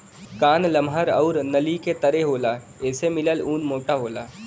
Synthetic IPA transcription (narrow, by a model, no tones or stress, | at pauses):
kaːnlɐmɦəɾɐʊɾnɐliket̪ɐɾeɦoːla | ɛːsemɪləluːnmoːʈaɦoːla̰ː